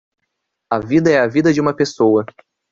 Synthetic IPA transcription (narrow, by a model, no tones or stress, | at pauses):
ɐvid̪ɐɛɐvid̪ɐd͡ʒɪũmɐpesowɐ